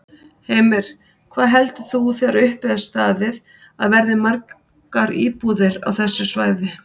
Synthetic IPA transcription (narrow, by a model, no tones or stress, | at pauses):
heːjmɪɾ̥ | kʰvaːðɦɛlt̪ʏθuθjaɾʏhpɪðast̪aːðɪð | aðvɛɾðɪmaɾk | aɾḭːpuðɪɾa̰wθɛsːʏsvaːjðɪ